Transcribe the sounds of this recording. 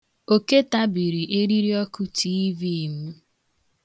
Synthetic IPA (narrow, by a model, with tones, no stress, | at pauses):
o˨ke˦ta˦bi˨ɾi˨ʔe˦ɾi˦ɾi˦ɔ˦kʊ˦tʰi˦vi˦˨m̩˦